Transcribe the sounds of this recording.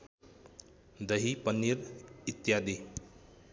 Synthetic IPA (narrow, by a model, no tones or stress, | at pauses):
d̪əɦipənːiɾit̪jad̪e